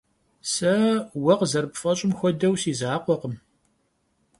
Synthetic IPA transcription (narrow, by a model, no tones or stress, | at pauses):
sɐwɐqzɐrpfɐɕʼɪmxʷɔdɐwsiːzaːqʷɔqəm